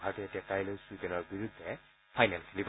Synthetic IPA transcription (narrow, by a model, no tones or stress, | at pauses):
bʱaɹɔtɛetiakajlojsudɛnɔɹbiɹud̪ʱːɛ | pʰajnɛnkʰɛlib